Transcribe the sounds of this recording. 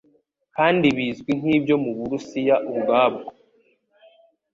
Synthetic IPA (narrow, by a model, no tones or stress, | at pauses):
kaːndiβiːzɡwin̥hiːbjo̞muβuɾusijaʔuβɡaːbɡo